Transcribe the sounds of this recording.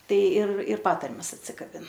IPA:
ˈtɐɪ ɪr ɪr ˈpɑːtɐrʲmʲɛs ɐtʲsʲɪkɐˈbʲɪn

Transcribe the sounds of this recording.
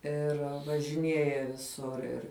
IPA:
ˈɪr ʋɐʒʲɪˈnʲiɛjɛ ʋʲɪˈsʊr ɪr

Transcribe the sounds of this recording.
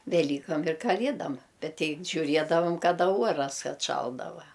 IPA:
ʋʲɛˈlʲiːkɐm ɪr kɐˈlʲiɛdɐm ˈbʲɛt ˈtʲɛɪ ʒʲʊˈrʲiɛdɐʋɐm kɐˈdɐ ˈuɔrɐs ɐtˈʃɐlˠdɐʋɐ

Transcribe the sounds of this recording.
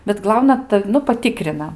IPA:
bʲɛt ˈɡlˠɐʊnɐ ˈtɐw nʊ pɐˈtʲɪkrʲɪnɐ

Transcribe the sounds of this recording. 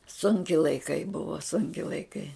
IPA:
ˈsʊŋʲkʲɪ lˠɐɪˈkɐɪ ˈbʊʋɐ ˈsʊŋʲkʲɪ lˠɐɪˈkɐɪ

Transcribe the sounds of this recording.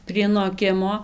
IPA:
pʲrʲiɛ noːˈkʲɪmoː

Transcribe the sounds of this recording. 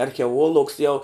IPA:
ɐrʲxʲɛˈoːlˠuɔks jɛʊ

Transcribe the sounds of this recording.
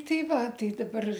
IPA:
ˈtɐɪ ˈʋɐ ˈtɐɪ dɐˈbɐr

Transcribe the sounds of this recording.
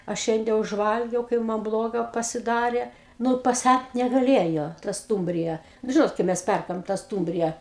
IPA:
ɐ ˈʃʲɛnʲdʲɛ ʊʒˈʋɐlʲɡʲɛʊ ˈkɐɪp mɐn ˈblˠoːɡɐ pɐsʲɪˈdɑːrʲeː ˈnʊ pɐˈsʲæt nʲɛɡɐˈlʲeːjoː tɐ ˈstuːmʲbʲrʲɪjɛ nʊ ˈʒʲɪnoːt kɐɪ ˈmʲɛs ˈpʲɛrkɐm tɐ ˈstuːmʲbʲrʲɪjɛ

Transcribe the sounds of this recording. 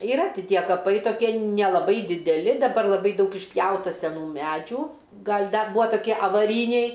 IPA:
ɪˈrɐ tʲɪ ˈtʲiɛ kɐˈpɐɪ toːˈkʲiɛ nʲɛlˠɐˈbɐɪ dʲɪdʲɛˈlʲɪ dɐˈbɐr lˠɐˈbɐɪ ˈdɐʊk ɪʃʲˈpʲjɛʊtɐ sʲɛˈnuː ˈmʲæːd͡ʒʲuː ˈɡɐlʲ ˈdɐ ˈbuːɐ tɐˈkʲiɛ ɐʋɐˈrʲiːnʲɛɪ

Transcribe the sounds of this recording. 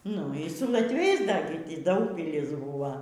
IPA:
ˈnʊ iː sʊ lˠɐtʲˈʋʲɛɪs dɐr ɡʲɪ ˈtʲiː ˈdɐʊkpʲɪlʲɪs ˈbuːʋoː

